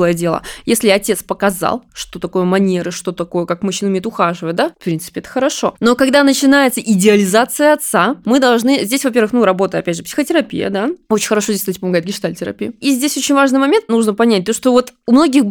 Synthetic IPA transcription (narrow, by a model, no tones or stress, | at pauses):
lˠəjədʲelˠə̰jesʲlʲɪɐtʲe̞t̪spəkɐza̰lˠʂt̪o̞t̪ɐko̞jʊmɐnʲe̞ɾɨʂt̪o̞t̪ɐkojʊkakmʊɕːinəʊmʲejt̪ʊxaʐɨvəjɪt̪d̪afpɾʲint̪ɨ̥pʲɪɛt̪ə̥xəɾɐʂo̞̰no̞kɐɡd̪anət͡ɕɪnajɪt̪səʔɪdʲɪɐlʲɪzat̪sɨjəɐt̪samɨd̪ɐlˠʐnɨzʲdʲesʲvɐpʲeɾvɨxnuɾɐbo̞t̪əjɐpʲædʲʐɨpsʲɪ̥xətʲɪɾɐpʲḭjə̰d̪aot͡ɕɪnʲxəɾɐʂozʲesʲt̪t̪̚ʲpəmɐɡajɪt̪ɡʲɪʂt̪alʲtʲɪɾɐ̰pʲijɪizʲdʲesʲo̞t͡ɕɪnʲvaʐnɨjmɐmʲe̞nt̪nuʐnəpɐnʲæt̚ʲt̪o̞ʂt̪ovo̞t̪umno̞ɡʲɪx